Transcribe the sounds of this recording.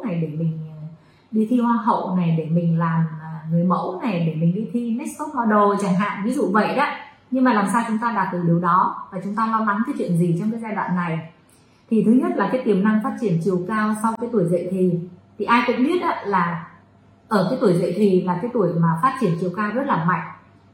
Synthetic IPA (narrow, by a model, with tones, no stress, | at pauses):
na˨˩jɗe˧˩mï˨˩ŋ̟˨˩ | ɗi˧t̪ʰi˧hwaː˧nɦə̰˧˨wna˨˩jɗe˧˩mï˨˩ŋ̟laː˨˩mː˨˩ŋɨ˨˩əjmə̰˧˥wna˨˩jɗe˧˩mï˨˩ŋ̟ɗi˧t̪ʰi˧nɛ˦˥s̚fɔ˦˥t̚mɔ˧ɗo˨˩t͡ɕaː˧˩ŋɦa̰ː˧˨nvi˨˦zṵ˧˨və̰˧˨jɗaː˨˦ | ɲɨ˧ŋmaː˨˩laː˨˩msaː˧wt͡ɕʊ˨˦ŋ͡mt̪aː˧ɗaː˨˩t̚t̪ɨ˧˩ɗi˨˩əwɗɔ˨˦vaː˨˩t͡ɕʊ˨˦ŋ͡mt̪aː˧lɔː˧la˨˦ŋk̪aː˨˦jt͡ɕwḭ˧˨ənzi˨˩t͡ɕɔ˧wŋ͡mkaː˨˦jzaː˧jɗwa̰ː˧˨nːa˨˩j | t̪ʰi˨˩t̪ʰɨ˨˦ɲə˦˥t̚laː˨˩kaː˨˦jk̪i˧˩əmna˧ŋfaː˦˥t̚t͡ɕi˧˩ənt͡ɕi˨˩əwkaː˧wsa˧wkaː˨˦jt̪u˧˩jzə̰˧˨jt̪ʰi˨˩t̪ʰi˨˩ʔaː˧jkʊ̰˧˥ŋ͡mɓi˦˥ət̚ʔaː˨˦laː˨˩ | ʔəː˧˩kaː˨˦jt̪u˧˩əjzə̰˧˨jt̪ʰi˨˩laː˨˩kaː˨˦jt̪u˧˩əjmaː˨˩faː˦˥t̚t͡ɕi˧˩ənt͡ɕi˨˩əwkaː˧wzə˦˥t̚laː˨˩ma̰˧˨jŋ̟